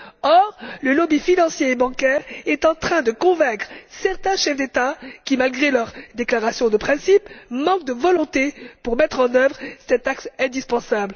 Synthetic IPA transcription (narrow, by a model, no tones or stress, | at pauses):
ɔʁləlɔbifinɑ̃sjeːbɑ̃kɛʁɛt̪ɑ̃t̪χɛ̃d̪əkɔ̃vɛ̃kχsɛʁt̪ɛ̃ʃɛfd̪et̪akʲimalɡʁelœʁd̪eklaʁasjɔ̃d̪əpχɛ̃sipmɑ̃k̚d̪əvɔlɔ̃t̪epuʁmɛt̪χɑ̃nœvʁsɛt̪aksɛ̃d̪ispɑ̃sabl